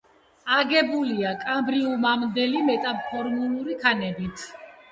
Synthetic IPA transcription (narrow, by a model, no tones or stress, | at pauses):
aɡɛbuliakʼambɾiumamd̪ɛlimɛt̪ʼappʰːɔɾmuluɾikʰanɛbit̪ʰ